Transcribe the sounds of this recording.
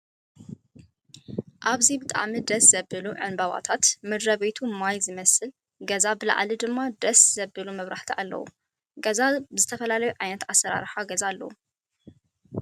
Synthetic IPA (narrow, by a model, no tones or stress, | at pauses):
ʔaβzibɨt̪ʼa̰ʕmid̪ɐsz̥ɐbɨluʕɨnbaβa̰t̪ʰat̪mɨd̪ɾɐβe̞t̪ʰumajzɨmɐsɨl | ɡɐzabɨla̰ʕlid̪ɨmːad̪ɐsz̥ɐbɨlumɐβɾaħt̪ʰiʔalːɐ̰wṵ | ɡɐzabɨzɨt̪ʰɐfɐlalɐjuʕajnɐt̪asːɐɾa̰ɾħaɡɐzalːɐ̰wu